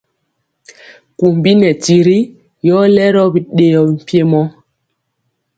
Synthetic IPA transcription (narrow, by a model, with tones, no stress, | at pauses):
ku˨m˨bi˦nɛ˨ti˨ɾi˦ | jɔ˦lɛ˦ɾɔ˦bi˨ɗe˨jɔ˨m̩˨pje˦mɔ˦